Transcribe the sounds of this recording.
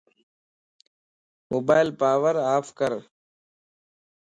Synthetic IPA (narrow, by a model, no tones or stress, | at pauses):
moːbaːɪlpaːʋəɾaːfkəɾ